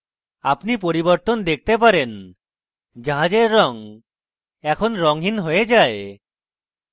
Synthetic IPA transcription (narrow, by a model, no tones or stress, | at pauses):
apnipoɾibɔɾt̪ɔnd̪ek̚ʰt̪ep̬aɾen | d͡ʒaɦad͡ʒeɾːɔŋ | ɛkʰɔnɾɔŋɦinɦojed͡ʒae